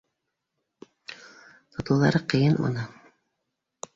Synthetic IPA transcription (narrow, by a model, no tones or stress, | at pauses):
t̪ŏt̪ɤ̆wðɑ̰ɾɤqɤ̆jɤnmɤ̰nɤ